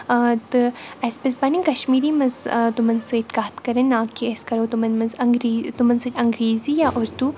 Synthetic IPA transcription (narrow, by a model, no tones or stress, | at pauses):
t̪ɨɐspesbanĩkɐʃmiːɾimɐzt̪umɐnseːʈkaːt̪kɐɾɐnːaːkiɐskɐɾoːt̪umɐnmɐzɐŋɡɾiːt̪umɐnseʈʲɐŋɡɾiːzijaʔoɾt̪u